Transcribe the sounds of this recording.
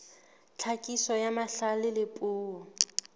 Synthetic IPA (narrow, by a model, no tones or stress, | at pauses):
t͡ɬʰakʼisɔjamaɬalɪlɪpʼuːɔ